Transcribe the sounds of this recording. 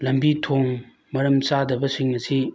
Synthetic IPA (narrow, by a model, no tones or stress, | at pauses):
lɐmbitʰoŋ | mɐɾɐmt͡sadɐbɐsiŋːɐsi